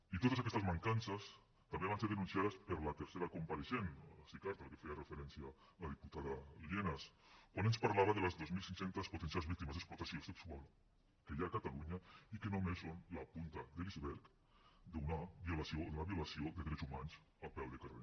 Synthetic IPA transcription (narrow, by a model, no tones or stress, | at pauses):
it̪ot̪əsakɛst̪ɐzmaŋkansɐs | t̪ambeβanseɾðenunsjaðəspəɾlat̪eɾseɾakumpaɾeʃensikaɾt̪alkefejarefeɾɛnsja | aðiput̪aðalienaskwanenspaɾlaβaðeləzðozmilˠsiŋsent̪əsput̪ensjalzβik̚t̪imɐzeksplut̪asioseksualˠ | keʎakat̪aluɲaikenomesːonlapunt̪aðelizβɛɾk | d̪unaβiolasounaβiulasiod̪əðɾɛt͡sumanz | apɛwðekarḛ